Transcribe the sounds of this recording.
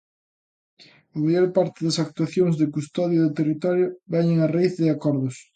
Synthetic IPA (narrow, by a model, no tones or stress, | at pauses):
ɐmaʎɔɾpaɾt̪ɪðɐsak̚t̪uaθjoŋzðɪkust̪ɔðjoðʊt̪erit̪ɔɾjʊβɛɲeŋaraiθðɪakɔɾðʊs